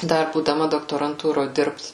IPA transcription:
ˈdɐr buːdɐˈmɐ doːktoːrɐnˈtuːroː ˈdʲɪrpt

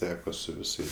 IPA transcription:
ˈtʲæːkoː sʊ ʋʲɪˈsɐɪs

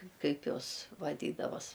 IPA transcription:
ˈkɐɪp ˈjoːs ʋɐˈdʲiːdɐʋoːs

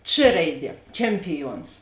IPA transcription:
t͡ʃ ˈrɐɪˌdʲiɛ ˈt͡ʃʲɛmʲpʲɪˌjuɔns

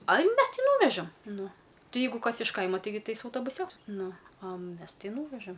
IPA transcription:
ɐj ˈmʲɛs ˈtʲɪ ˈnuːʋʲɛʒɐm ˈnʊ ˈtʲɪ ˈjɛɪɡʊ ˈkɐs ɪʃ ˈkɐɪmɐ ˈtɐɪɡʲɪ ˈtɐɪs ɐʊtoːbʊˈsʲoːks ˈnʊ ɐ ˈmʲɛs ˈtʲɪ ˈnuːʋʲɛʒɐm

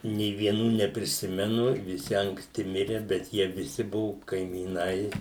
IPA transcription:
nʲeː ʋʲiɛˈnuː nʲɛpʲrʲɪˈsʲɪmʲɛnʊ ʋʲɪˈsʲɪ ɐŋkˈsʲtʲɪ ˈmʲɪrʲɛ bʲɛt ˈjiɛ ʋʲɪˈsʲɪ ˈbʊʋʊ kɐɪmʲiːˈnɐɪ

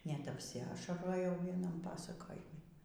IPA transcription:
nʲɛt ɐpʲsʲɪˈɑːʃɐroːjɛʊ ˈʋʲiɛnɐm ˈpɑːsɐkoːjɪmʲɪ

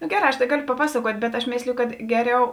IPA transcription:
nʊ ˈɡʲæːˌrɑː ɐʃ tɐɪ ˈɡɑːˌlʲoː pɐˈpɑːsɐˌkuɔtʲ bʲɛt ɐʃ ˈmʲeːsʲlʲeːjoː kɐt ˈɡʲæːˌrʲɛʊ

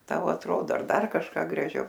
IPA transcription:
ˈtɐʊ ɐtˈroːdoː ɐr ˈdɐr kɐʃˈkɑː ɡrɐˈʒʲɛʊ

